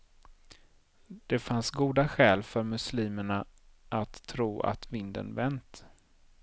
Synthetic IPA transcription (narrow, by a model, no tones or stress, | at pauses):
d̪̥ɛfansɡuːd̪aɧɛːlfœɾmɵsliːməɳaʔat̪ʰːɾuːʔa̰t̪vɪnd̪ə̰nvɛnt̪